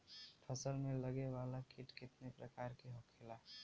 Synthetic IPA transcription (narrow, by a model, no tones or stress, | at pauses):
ʈʰəsəlmeləɡeʋalakiʈkɪt̪nepɾəkaɾkeɦokʰela